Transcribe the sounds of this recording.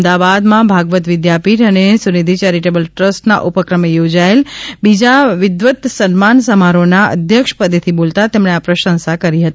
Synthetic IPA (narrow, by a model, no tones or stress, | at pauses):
d̪aʋad̪mãbʱaɡʋət̪ʋɪd̪japiʈənesunid̪ʱit͡ʃɛɾiʈebəlʈɾəsʈna̰ʔupəkɾəmejod͡ʒaelbid͡ʒaʋɪd̪ʋət̪sənmansəmaɾonaə̰d̪ʱjəkʂə̥pəd̪et̪ʰibolt̪at̪emɳeapɾəʃə̃nsakəɾiɦət̪ii